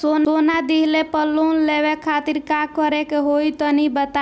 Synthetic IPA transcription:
sonoːnad̪iɦlepəlːunlewekʰaːt̪iɾkakəɾekeɦoit̪ɔnibət̪a

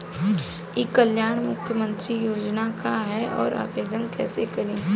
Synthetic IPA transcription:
jikːəljaːɳ̃mʊkʰjəmə̃nt̪ɾijoːd͡ʒnakaɦɛɔ̰ːɾʔa̰ːpeːk̚d̪əmkɛːsekɐɾẽː

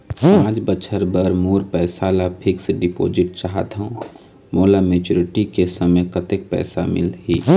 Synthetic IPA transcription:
pãːt͡ʃbət͡ʃʰəɾbəɾmoːɾpɛːsalapʰɪksɖɪpo̰ːd͡ʒɪʈ̚t͡ʃaɦət̪ɦõ | moːlameːt͡ʃoːɾɪʈikesəməjkət̪ɪk̚pɛ̰ːsamɪ̰lɦiː

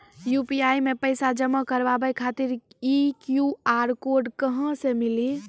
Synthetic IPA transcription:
jupiajmepəjsad͡ʒəmːəkəɾʋabəjkʰat̪iɾikjuaɾkoɾɖkəɦə̃semili

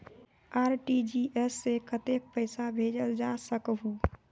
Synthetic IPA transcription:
aɾʈid͡ʒiʔesːekət̪ek̚pəɪsabʱed͡ʒəld͡ʒasəkɦu

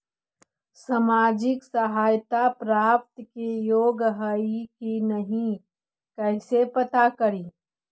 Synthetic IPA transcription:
samaːd͡ʒɪksɐɦaːjt̪apɾaːpt̪kejoːɡɦəikinɐɦĩ | kɛɪsepɐt̪akɐɾiː

